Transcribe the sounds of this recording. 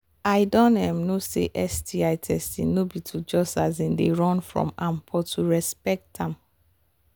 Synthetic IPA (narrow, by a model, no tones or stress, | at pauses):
ajdɔ̃nɛ̃mnosḛʔɛstiaɪtʰɛstḭ̃nnobitʰud͡ʒɔsazĩndeɹɔ̃nfɹɔ̰̃mãmpʰɔtʰuɹɛspɛk̚tãm